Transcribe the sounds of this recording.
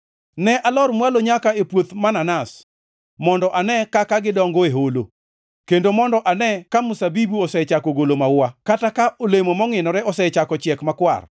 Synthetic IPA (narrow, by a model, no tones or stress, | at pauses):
nɛʔalɔrmwaloɲakaepwot̪mananas | mɔndɔʔanɛkakaɡɪdɔŋɡɔeɦolo̰ | kendomɔndɔʔanɛkamusabibuɔsɛt͡ʃakoɡolomawakatakaʔolemomɔŋɪnɔɾɛɔsɛt͡ʃakɔt͡ʃjɛkmakwa̰r